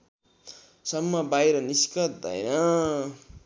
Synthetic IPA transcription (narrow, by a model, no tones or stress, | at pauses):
sʌmːʌbajɾʌniskʌt̪̚d̪ʌ̰jnʌ